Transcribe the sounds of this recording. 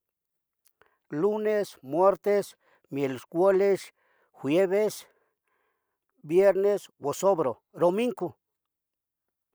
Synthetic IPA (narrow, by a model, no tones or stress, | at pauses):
lunesmweɾt̪es | mjelskʷwoles | xʷwjeβes | bjeɾneswosobɾo | d̪omiŋko